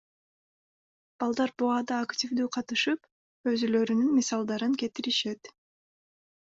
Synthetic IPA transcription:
b̥ɑlˠd̪ɑɾbuɑd̪ɑːktʲivd̪yːqʰɑt̪ɯʃɯp | øzylø̞ɾynynmʲisɑlˠd̪ɑɾɯŋke̞t̪iɾiʃe̞t̪

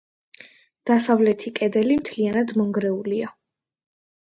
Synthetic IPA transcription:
d̪̥asavlɛt̪ʰikʼɛd̪ɛlimt̪ʰlianad̪mɔŋɡɾɛulia

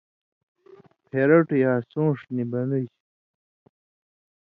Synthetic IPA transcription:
pʰeɾɐʈjaːsõːʂnibɐnuj

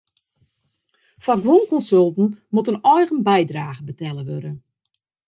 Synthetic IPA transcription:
faɡʋunkɔnsølˠtn̩mutənɔjɣənbɛjdraːɣəbətɛlˠəʋø̰ɾən

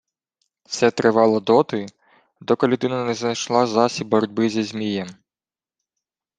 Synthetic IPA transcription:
sɛt̪ɾɪʋɑlˠɔd̪ɔt̪ɪ | d̪ɔkɔlʲʊd̪ɪnɐnɛznɐjʃlˠɑzɑsʲibɔɾɔdʲbɪzʲizʲmʲijɛm

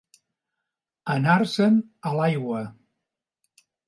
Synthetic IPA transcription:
ənarsənəlajɣwə

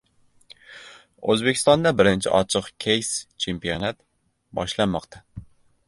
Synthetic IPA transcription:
øzbɪkʲɪ̥st̪ɑnd̪ɛbɪɾɪnt͡ʃʰɪ̰ʔɒt͡ʃʰɨqkʲʰejst͡ʃʰempijonat̪ | bɒ̰ʃlˠanmɒqt̪ʰɑ

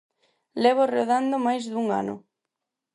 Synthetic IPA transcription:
lɛβ̞oreðand̪omajzðuŋa̰nʊ̰

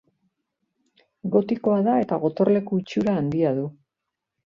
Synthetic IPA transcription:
ɡo̞t̪iko̞aðae̞t̪aɣo̞t̪o̞rle̞koit͡ʃuɾaːnd̪iaðu

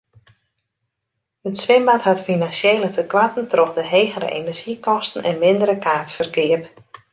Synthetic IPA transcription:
ətsʋɪmbathatfinansjeːlətəkʋatən̩tʰrɔxdəɦeːɣəɾə̰ʔenɛrʒikɔstən̩ɛnmɪndəɾəkʰaːtfərɡɪəp

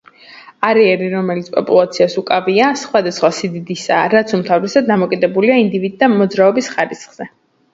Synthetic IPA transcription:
aɾɛɛɾiɾɔmɛlit̪spʼɔ̰pʼṵlˠat̪sʰiasukʼaviasχwad̪asχwasid̪id̪isa̰ːɾat̪sʰumt̪ʰavɾɛsad̪̚dːamɔkʼid̪ɛbuliaind̪ivid̪̚d̪amɔd̪zɾaɔbisχaɾisχz̥ɛ

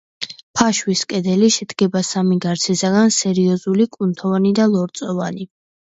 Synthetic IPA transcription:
pʰaʃwiskʼɛd̪ɛliʃɛd̪ɡɛbasamiɡaɾt̪sʰɛsaɡansɛɾiɔzulikʼunt̪ʰɔvanid̪alˠɔɾt̪sʼɔvani

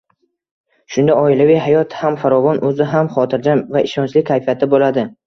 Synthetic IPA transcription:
ʃʊnd̪aɒɪlavɪjɦajɒt̪hamfaɾɒvɒnʔɵzɪɦamχɒt̪ʰɪɾd͡ʒamvaʔɪʃɒnt͡ʃʰlɪkʰːajfijat̪ʰɪbolad̪ɪ

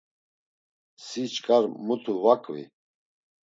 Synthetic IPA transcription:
sit͡ʃʼkʼaɾmut̪ʰuvakʼvḭ

